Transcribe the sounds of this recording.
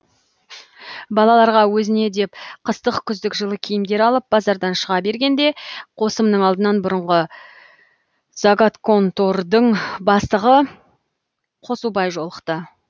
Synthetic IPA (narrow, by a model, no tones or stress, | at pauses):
bɑlˠɑlˠɑɾʁɑwɵzɪne̞d̪e̞pqʰəst̪əqkʲʰʏzd̪ɪkʒəlˠəkʲʰijɪmd̪e̞ɾɑlˠəp̚bɑzɑɾd̪ɑnʃəʁɑbe̞ɾɡʲe̞nd̪e̞qʰo̞səmnəɴɑlˠd̪ənɑnbʊɾəɴʁə | zaɡat̪kʰo̞nt̪o̞ɾd̪əɴbɑst̪əʁə | qʰo̞subɑjʒo̞lˠəqt̪ə